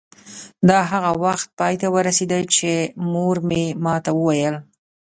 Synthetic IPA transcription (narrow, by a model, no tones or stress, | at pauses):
d̪ɑɦaɣawaxt̪̚pɑjt̪awəɾased̪ət͡ʃemoɾmemɑt̪awəwajəl